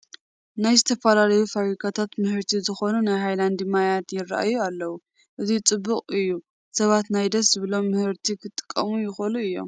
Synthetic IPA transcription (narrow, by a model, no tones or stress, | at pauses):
najzɨt̪ʰɐfalalɐjufaβɾikʰat̪ʰat̪mɨhɨɾt̪ʰizɨxo̞nunajɦajland̪imajat̪jɪrːa̰ʔa̰jualːɐwu | ʔɨt̪ʰit͡sʼɨbːɨkʼɨjːu | sɐβat̪najd̪ɐszɨβɨlo̞mːɨhɨɾt̪ʰikʰɨt̪ʼːɨ̥kʼːɐmujɪxoluɨjːo̞̰m